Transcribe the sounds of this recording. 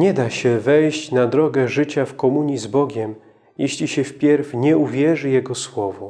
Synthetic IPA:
ɲɛd̪aɕɛvɛjɕt͡ɕnad̪ɾɔɡɛʐɘt͡ɕafkɔmuɲizbɔɡʲɛm | jɛɕlʲiɕɛfpʲjɛɾfɲɛuvʲjɛʐɘjɛɡɔswɔvɔ

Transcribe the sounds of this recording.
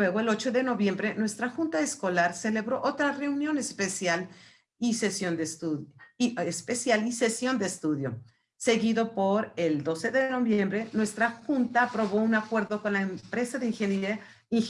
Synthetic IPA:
weɣoelo̞t͡ʃo̞ðe̞no̞βje̞mbɾe̞nwe̞st̪ɾaxunt̪aesko̞laɾse̞le̞βɾoʔot̪ɾare̞unjo̞nespesjal | isesjo̞nd̪est̪u | espesjalise̞sjo̞nd̪eːst̪uðjo̞̰ | se̞ɣiðo̞po̞ɾeld̪o̞se̞ðe̞no̞βjembɾe̞nwe̞st̪ɾaxunt̪aːpɾo̞βo̞unakwe̞ɾðo̞ko̞nlaempɾe̞saðeiŋxena | iŋ

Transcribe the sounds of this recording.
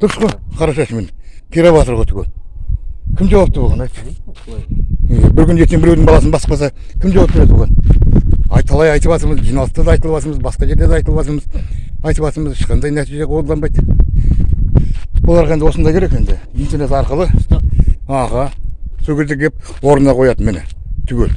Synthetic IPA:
d̪̥ʊɾsqojqʰɑɾɑʃɑʃəmenkʲʰeɾɑβɑt̪əɾʁojt̪ʰɡʲen | kʲʰɪmʒɑwɑpt̪əboʁɑnɑjt̪ | bɪɾkʲʏnʒet̪kʲembɪɾewd̪ɪŋmbɑlˠɑsənbɑsəq̚pɑsɑkʲʰɪmʒɑwp̪̚eɾet̪ʰlˠʁɑn | ɑ̰jt̪ʰɑlˠɑjɑjt̪əβɑt̪əɾməzʒijnɑlˠəst̪ɑd̪ɑjt̪əlˠəβɑt̪əɾməzbɑsqɑʒe̞ɾd̪ed̪ɑjt̪əlˠəβɑt̪əɾməzɑjt̪əβɑt̪əɾməzɪʃqɑnd̪ɑjnæt̪iʒeolˠd̪ɑnbɑjt̪ | wo̞lˠɑɾʁɑend̪wo̞sənd̪ɑjkʲʰeɾe̞kʲe̞nd̪ɪ | mint̪enesɑɾqəlˠə | ɑhɑsokʲʰe̞zd̪ɪk̚d̪ep̚wo̞ɾənɑqʰo̞jɑd̪ənmɪnɪ̰t̪ʰʏɡʲe̞l

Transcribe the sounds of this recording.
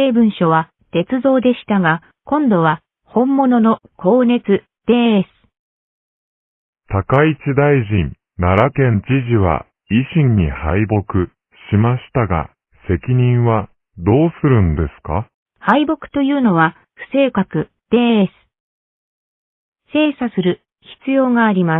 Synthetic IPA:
e̞ːbɯ̟̃ɰ̃ɕo̞β̞a | t̪e̞t͡sɨzo̞ːd̪e̞ɕi̥t̪aɡa | kõ̞nd̪o̞βa | hõ̞mːo̞no̞no̞ko̞ːne̞t͡sɨ | d̪̥e̞ːesɨ̥ | t̪akait͡ɕid̪aiʑĩn | naɾakẽ̞nt͡ɕiʑiβa̰ | iɕĩɲːihaibo̞kɯ̟ | ɕimaɕi̥t̪aɡa̰ | se̞kʲiɲ̟ĩɰ̃βa | d̪o̞ːsɨɾɯ̟̃nd̪e̞sɨ̥ka̰ | haibo̞kɯ̟̥t̪o̞jɯ̟ːno̞βa | ɸɯ̟̥se̞ːkakɯ̟ | d̪̥e̞ːesɨ̥ | se̞ːsasɨɾɯ̟ | çi̥t͡sɨjo̞ːŋaːɾʲima

